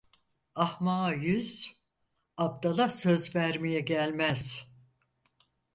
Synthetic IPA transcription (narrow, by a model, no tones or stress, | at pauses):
ahmaːjyz̥ | ap̚d̪alˠasø̞zvæɾmijɛɟælʲmæz̥